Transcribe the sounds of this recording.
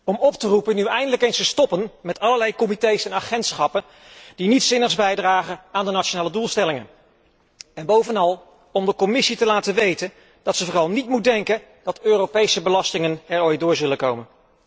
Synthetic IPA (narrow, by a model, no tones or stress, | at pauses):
ɔmɔptərupənyɛjndələkejnstəstɔpənmɛtɑləɹlɛjkɔmitejsɛnaχɛntsχɑpən | d̥initsɪnəχzbɛjdraːχəaːndənaʃonaːlədulˠstɛlɪŋə̰n | ɛnbowvənɑlˠ | ɔmdəkɔmɪsitəlaːtəʋejtən | dɑtsəvoːrɑlˠnitmut̚dɛŋkən | d̥ɑtøːrowpejsəbəlɑstɪŋənɛɹɔjt̚dʊːɹzɵləkowmən